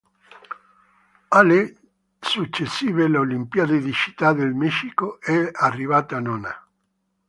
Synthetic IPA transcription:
ale | sut͡ʃːesːiːvelolimpiad̪ed̪it͡ʃi̥t̪ːad̪elmɛʃikoɛarːivat̪anɔna̰

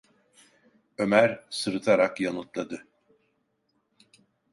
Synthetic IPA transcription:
ø̞mæɾsɯɾɯt̪ʰaɾakjanɯt̪lˠad̪ɯ

